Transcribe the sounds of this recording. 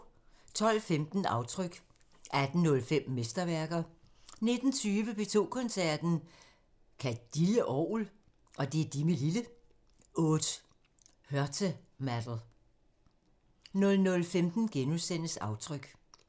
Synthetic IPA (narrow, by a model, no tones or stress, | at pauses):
t͡sʰɒ̽l̰femd̥n̩ɑ̈ʊt͡sʰʁœɡ̥ | ʔæd̥n̩nɔ̽lfem̰mesd̥ɐʋæɐɡ̥ɐ | ne̝d̥n̩t͡sʰyːʋəpe̝t͡sʰo̝̰ːkʰɒ̽nsæɐ̰d̥n̩ | kʰæd̥iləʔɒːul | ʔɒ̽d̥e̝d̥imelilə | ɔ̽ːd̥ | hœɐt͡sʰə | mæd̥l̩ˠ | nɔ̽lnɔ̽lfemd̥n̩ɡ̥enusen̰əsɑ̈ʊt͡sʰʁœɡ̥